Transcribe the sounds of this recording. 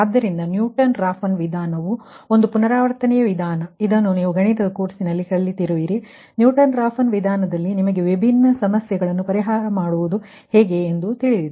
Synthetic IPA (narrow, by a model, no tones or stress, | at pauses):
aːd̪ːɐɾind̪ɐnjuːʈɐnɾaːfɐnʋid̪ʱaːnɐʋuo̞nd̪upunɐɾaːʋɐɾt̪ɐnɛjɐʋid̪ʱaːnɐid̪ɐnːuniːʋuɡʱɐɳit̪ɐd̪ɐkoːʈsinɐlːikɐɭːit̪iɾuʋiɾi | njuːʈɐnɾaːfɐnʋid̪ʱaːnɐd̪ɐlːinimɐɡe̞ʋibʱinːɐsɐmɐsjɐɡɐɭɐnːupɐɾiɦaːɾɐmaːɽuʋud̪u | heːɡe̞ːnd̪ut̪iɭid̪id̪u